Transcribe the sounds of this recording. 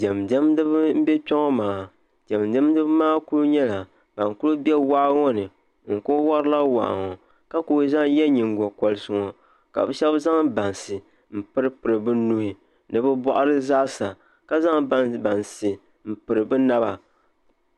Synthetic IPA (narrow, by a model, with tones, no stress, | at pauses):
d͡ʒɛ˨mdɛ˦mdɨ˦bɨ˦m̩˦bɛ˦pɔ˦ŋɔ˦maː˨ | d͡ʒɛ˨mdɛ˦m˦dɨ˦bmaː˦ku˦lu˦ɲɛ˦la˨ | b̥a˨ŋku˦lʊ˦bɛ˦wa˦ŋɔ˦nɨ˨ | ŋ̩˨ko˦wa˦ɾɨ˦la˦wa̰˨ʔa̰˨ŋɔ˨ | ka˦ko˦za˦ŋ˦jɛ˦ɲi˨ŋɡɔ˨kɔ˨lɨ˦sɨ˨ŋɔ˨ | ka̰˨bɨ˦ʃɛ˦bza˦ŋba˨nsɨ˨ | m̩˨pɨ˦ɾɨ˦pɨ˨ɾɨ˨bɨ˦nu˦hɪ˨ | nɨ˨bɨ˦bɔ˦ʔa˦ɾɨ˦zaː˦sa˨ | ka˦za˦ŋbba˨nsɨ˨ | m̩˨pɨ˨ɾɨ˨bɨ˦na˦ba˨